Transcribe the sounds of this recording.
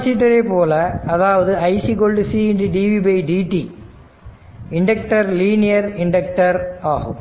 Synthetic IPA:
ɐsiʈːɐɾepoːlɐɐðaːʋɐðɯɐjsik̬oːlɖɨsiiɳɖiɖiʋibɐjɖiːʈi | iɳɖɐk̚ʈɐɾliːnijɐɾiɳɖɐkʈɐɾaːɦṵm

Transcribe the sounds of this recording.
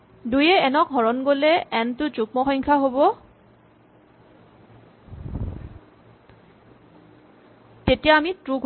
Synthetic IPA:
dujɛɛnɔk̚ɦɔɹɔnɡolɛɛntʊzuk̚mɔxɔŋkʰaɦobɔ | tetijaamitɹuɡʱ

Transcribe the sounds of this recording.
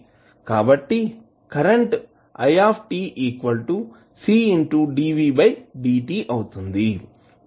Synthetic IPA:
kaːbɐʈːi | kɐɾeɳʈ | ɐ̰jaːpʰʈiːʔiːkʋɐlʈu | siːiɳʈuɖiːʋiːbɐjɖiːʈiːʔɐwut̪und̪i

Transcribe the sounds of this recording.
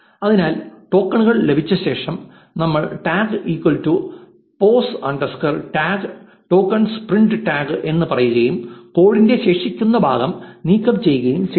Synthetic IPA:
ɐðinaːlʈo̞ːkːɐɳuɣɐɭle̞bʱit͡ɕːɐɕe̞ːʂɐm | nɐmːɐɭʈaːɡɨiːkwɐltu | po̞ːsɐɳɖɐskɐrʈaːɡ | ʈo̞ːkːɐɳspriɳɖɨʈaːɡɨʔe̞nːɨpɐrɐjuɣɐjumko̞ːɻinde̞ɕe̞ːʂikʲːunːɐbʱaːɣɐmniːkːɐpːt͡ɕe̞jːuɣɐjumɕ

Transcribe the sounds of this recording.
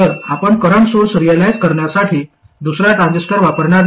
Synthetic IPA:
əɾapəɳkəɾəɳsoɽsəɾijəlajd͡zkəɾɳjasaʈʰiː | d̪usɾjat̪ãnd͡ʑəsʈəɾʋapəɾɳaɾ

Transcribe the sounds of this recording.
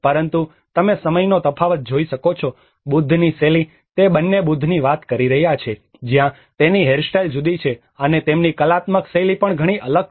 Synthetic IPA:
pəɾənt̪u | t̪əmesəməjnot̪əpʰaʋət̪̚d͡ʒoiʃəkot͡ʃʰo | bud̪ʱːniseli | t̪ebənːebud̪ʱniʋat̪kəɾiɾəɦjat͡ʃʰe | d͡ʒjã | t̪eniɦeɾsʈajld͡ʒud̪it͡ʃʰe | ənet̪emnikəlat̪məkselipəɳɡʱəɽ̃iʔələɡ̚

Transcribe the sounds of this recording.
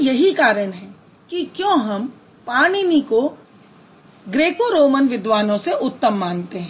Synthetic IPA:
jɐɦikaːɾəɽ̃ɦɛː | kikjõːɦɐm | paːɽ̃iniko | ɡɾeːkoɾoːmənʋɪd̪ʋaːnõseʔʊt̪ːəmːaːnt̪eɦɛ̃

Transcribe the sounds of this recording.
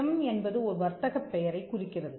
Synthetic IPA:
ɐmɛnbɐðɯɔɾɯʋɐɾt̪ːɐɣɐpːɛjɐɾɐɪkːʊrɪkːɪrɐðɯ

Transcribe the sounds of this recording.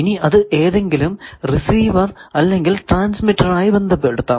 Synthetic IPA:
iniɐðɨʔe̞ːðe̞ŋɡilumrisiːʋɐrɐlːeŋɡilʈraːnsmiʈːɐraːjibe̞nd̪ʱɐpːeɽut̪ːaː

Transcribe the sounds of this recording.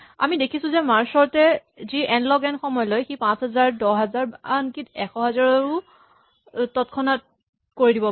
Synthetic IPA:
a̰midekʰisʊ̃zɛmaɹsɔɹtɛziʔɛnlɔɡɛnxɔmɔjɔlojxipãsɦɛzaɹdɔɦɛzaɹankitɛxɔɦɛzaɹɔɹʊ | tɔtkʰɔnat̚ | koɹidibɔ

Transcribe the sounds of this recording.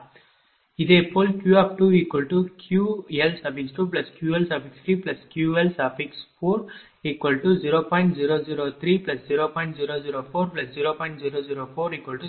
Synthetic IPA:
id̪epolkjuːɐp̚ʈuiːkwəlʈukʰjuːelsɐpiksʈuːp̬lɐskjuːelsapikst̪ɾiːplɐskjuelsapiksfoːɾ | iːkwəlʈuziːɾopɔ̃ɪ̃ɳʈziːɾoːziːɾot̪ʰɾiːplɐsziːɾoːpɔ̃ɪ̃ɳʈziːɾoziɾoːfoːɾplɐsziːɾoːpɔ̃ɪ̃ɳʈziɾoːziːɾofoːɾiːkwəlʈu

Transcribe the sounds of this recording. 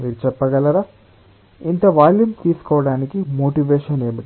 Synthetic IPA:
miːɾut͡ʃɛpːɐɡɐlɐɾaː | int̪ɐʋaːljumt̪iːsu̥kɔːʋɐɽaːnikimoːʈiʋeːʃɐne̞ːmiʈ

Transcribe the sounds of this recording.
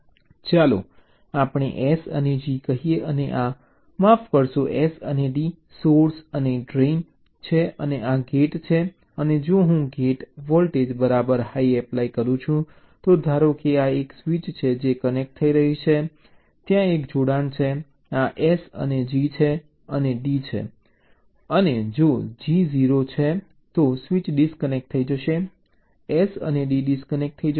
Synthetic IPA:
t͡ʃalo̰ | apɳ̃ḛʔesə̰ned͡ʒikəɦijeʔəneʔa | mafkəɾʃoʔesəneɖi | soɾsəneɖɾen | t͡ʃʰeəneʔaɡeʈt͡ʃʰe | əned͡ʒoɦũɡeʈʋɔlʈed͡ʒbəɾabəɾhaiɛplaikəɾũt͡ʃʰũ | t̪od̪ʱaɾokeaeksʋit͡ʃt͡ʃʰed͡ʒekənek̚ʈ̚t̪ʰːəiɾəɦit͡ʃʰe | t̪jãekd͡ʒoɽant͡ʃʰe | aʔesə̰ned͡ʒit͡ʃʰe | əneɖit͡ʃʰḛ | əned͡ʒod͡ʒiziɾot͡ʃʰe | t̪osʋit͡ʃɖiskənek̚ʈt̪ʰəid͡ʒəʃe | esə̰neɖiɖiskənek̚ʈ̚t̪ʰːəid͡ʒ

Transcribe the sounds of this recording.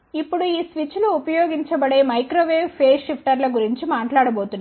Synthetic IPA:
ipːuɽuiːsʋit͡ʃluːpɐjoːɡiɲt͡ʃɐbɐɽe̞ːmɐjkɾoːʋeːʋpʰeːʃipʰʈɐɾlɐɡuɾiɲt͡ʃimaːʈlaːɽɐbo̞ːt̪unː

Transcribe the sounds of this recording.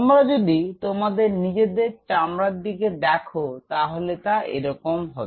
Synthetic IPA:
mɾad͡ʑod̪it̪omad̪eɾnid͡ʑed̪eɾt͡ɕamɾad̪ikeɖɛkʰot̪aɦolet̪aʔḛɾɔkomɦɔbe

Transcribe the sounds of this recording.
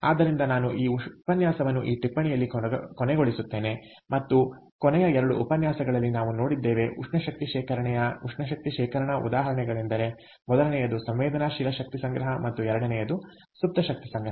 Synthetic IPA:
a̰ːd̪ːɐɾind̪ɐnaːnuʔiːupɐnjaːsɐʋɐnːuʔiːʈipːɐɳijɐlːikɔnɛɡo̞ɭisut̪ːe̞ːne | mɐt̪ːu | kɔnɛjɐɛɾɐɽuupɐnjaːsɐɡɐɭɐlːinaːʋuno̞ːɽid̪ːeːʋe̞ʔuʂɳɐʃɐk̚t̪iʃɛːkʰɐɾɐɳɛjɐuʂɳɐʃ̬ɐk̚t̪iʃɛːkɐɾɐɳɐʔṵd̪aːɦɐɾɐɳɛɡɐɭend̪ɐɾe̞ | mɔd̪ɐlɐnɛjɐd̪usɐmʋɛːd̪ʱɐnaːʃilɐʃɐk̚t̪isɐŋɡɾɐɦɐmɐt̪ːuɛɾɐɽɐnɛjɐd̪u | sup̚t̪ɐʃɐk̚t̪isɐŋɡɾɐɦɐ

